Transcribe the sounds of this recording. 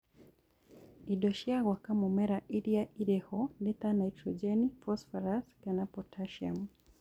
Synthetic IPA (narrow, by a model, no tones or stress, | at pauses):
iɗɔʃiaɣwakamumɛɾaʔiɾiaʔiɾɛhɔnɛt̪anajtɾɔd͡ʒɛnifɔsfaɾaskanapɔtʰaʃia̰m